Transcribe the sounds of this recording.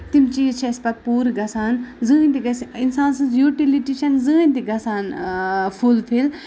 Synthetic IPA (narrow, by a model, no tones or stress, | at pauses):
t̪imt͡ʃiːt͡ʃʰɐspɐt̪̚puːɾɡɐsaːnzɨːnʲt̪iɡɐsinsaːnsɨ̃nzjuːʈiliʈiʃɐnzɨːnʲt̪iɡɐsaːnfʰulfʰil